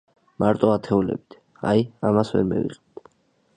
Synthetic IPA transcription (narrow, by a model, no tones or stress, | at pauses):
maɾt̪ʼɔat̪ʰɛulɛ̰bit̪ʰ | ajamasvɛ̰ɾmɛ̰vḭqʼɛb̚t̪ʰ